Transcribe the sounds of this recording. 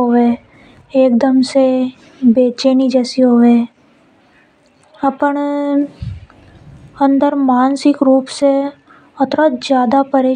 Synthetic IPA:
oːeː | eːk̚d̪əmse | beːt͡ʃeːnid͡ʒɛːsiɦoːʋeː | ɐpəɳ | ə̃nd̪əɾmaːnsɪkɾuːpse | ɐt̪ɾad͡ʒjaːd̪apəɾeː

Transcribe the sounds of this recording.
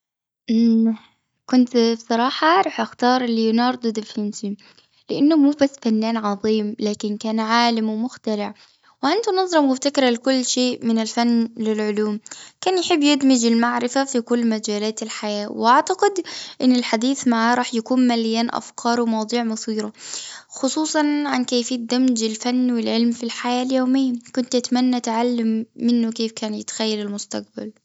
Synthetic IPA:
ʔ | kʊnt̪bsˤɑɾˤɑːħɑɾˤɑːħʔaxt̪ɑːɾˤljnɑːɾˤd̪ˤʊd̪ɪfɪnsi | lɪʔanːʊmuːbasːfanːaːnʕɑðˤiːmlaːkɪnkaːnʕaːlɪmwɪmʊxt̪alɪʕ | wʕɪnt̪unɑzˤɾɑmwɪft̪akɾˤalɪkʊlːʃeːʔmɪnɪlfanːlɪlʕʊluːmkaːnjħɪbːjɪd̪mɪd͡ʒɪlmaʕɾɪfafikʊlːmad͡ʒaːlaːt̪ɪlħajaːwɪʔaʕt̪aqɪd̪ʔɪnːɪlħad̪iːθmaʕaɾˤɑːħjakuːnmalɪjaːnʔa̰fkʰɑːɾˤwɪmɑwd̪ˤiːʕmʊθiːɾɑxʊsˤuːsˤɑnʕankeːfiːt̪̚d̪amd͡ʒɪlfanːwɪlʕɪlmfilħajaːljoːmɪjːakʊnt̪ʔat̪amanːat̪ʕalːamːɪnːʊkeːfkaːnjɪt̪xajːalɪlmʊst̪a̰q̚ba̰l

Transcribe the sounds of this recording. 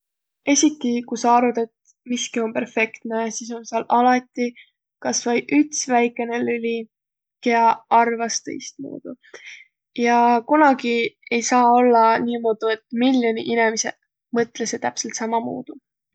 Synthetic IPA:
e̞sʲit̪ːikusɑɑɾud̪̥e̞t̪ | miskio̞mpe̞rfe̞kt̪nesiːs̬o̞nsiɑlʔɑlɑt̪ːˑi | kɑsvɑjʔyt̪svæjkːˑe̞nelylʲi | keɑɑrvɑst̪ḛjst̪̚mṵːd̪̥u | jɑkunɑɡie̞jsɑːo̞lːɑniːmo̞d̪̥ue̞t̪miljonḭʔinemise̞̰ | mɤt̪ːˑleset̪æpse̞lt̪sɑmɑmṵːd̪̥u

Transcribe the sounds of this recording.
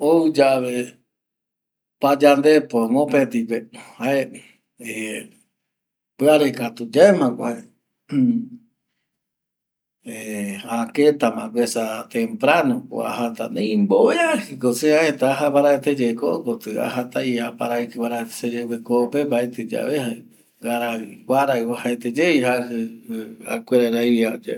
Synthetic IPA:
owd͡ʒaβe | pad͡ʒand̪epomõpet̪ipehae | e | pɨaɾekat̪ud͡ʒaemãkʷae | eaket̪amãkʷesat̪empɾanoko̰a̰ɦat̪a̰nẽĩmboeahɨkoseaet̪aaɦaβaɾaet̪ed͡ʒekoʔkot̪ɨa̰ɦat̪ajapaɾaekɨβaɾaet̪sed͡ʒewekopembaet̪ɨd͡ʒa̰βeha | ɡaɾaikʷaɾaɨwahaet̪ed͡ʒeiɦahɨa̰kʷeɾaɾaiβiad͡ʒa

